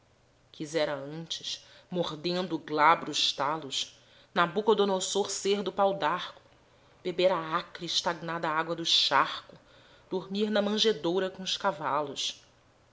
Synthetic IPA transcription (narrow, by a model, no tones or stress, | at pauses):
kʰizɛɾɐɐ̃nt͡ʃɪ̥ʃmoɾd̪ẽnd̪ʊːɡlabɾʊʃt̪alʊʃ | nabukɐd̪ʊonosoɾseɾd̪ʊpawd̪aɾkʊ̥ | b̥ebeɾaakɾiʃt̪aɡnad̪ɐaaɡwɐd̪ʊʃaχkʊ | d̪̥oɾmiɾnɐmɐ̃ʒed̪owɾɐkõʊʃkavalʊʃ